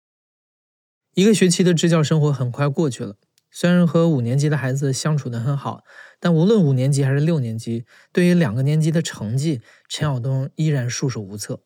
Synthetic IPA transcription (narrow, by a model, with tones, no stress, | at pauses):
i˧˥ɡə˧ɕɥɛ˧˥t͡ɕʰi˧˥d̪ə˧ʈ͡ʂɻ̩˥t͡ɕjɑ˥˩ʊʂɤ˥ŋxwɔ˧˥xə˨˩nkʰwa˥˧ɪkwɔ˥˧t͡ɕʰy˥˩lə˩ | swe˥ɪɻa˧˥nxɤ˧˥u˨˩njɛ˧˥nt͡ɕi˥d̪ə˧xa˧˥ɪd͡zɹ̩˧ɕjɑ˥ŋʈ͡ʂʰu˨˩d̪ə˦xə˧˥nxɑ˨˩˦ʊt̪a˥˩nu˧˥lwə˥˩nu˨˩njɛ˧˥nt͡ɕi˧˥xa˧˥ɪʂɻ̩˥˧ljo˥˩ʊnjɛ˧˥nt͡ɕi˥ | t̪we˥˩ɪy˧˥ljɑ˨˩ŋɡə˦njɛ˧˥nt͡ɕi˥d̪ə˨ʈ͡ʂʰɤ˧˥ŋt͡ɕi˥˩ | ʈ͡ʂʰɛ˧˥ɑ˨˩ʊt̪̬ʊ˥ŋi˥ɻa˧˥nʂu˥˩ʂo˨˩ʊu˧˥t͡sʰɤ˥˩